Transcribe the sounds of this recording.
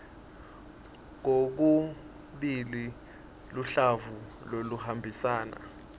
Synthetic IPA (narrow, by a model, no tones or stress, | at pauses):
ŋok̬u | ɓili | luɬavu | loluhambʱisaːna̰